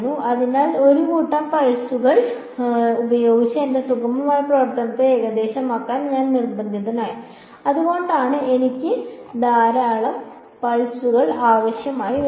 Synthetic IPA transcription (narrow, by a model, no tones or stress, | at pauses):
nːuɐðinaːlo̞ɾukuːʈːaːmpɐɭsuɣɐɭ | ubɐjo̞ːɡit͡ɕːɐendesukɐmɐmaːjɐprɐʋɐrt̪ɐnɐt̪ːeeːɣɐd̪e̞ːɕɐmaːkːaːnɲaːnnirbɐnd̪ʱjɐðɐnaːji | ɐðuɣo̞ːɳɖaːɳɨe̞nikʲːɨd̪aːɾaːɭɐm | pɐɭsuɣɐɭaːʋɐɕjɐmaːjiʋ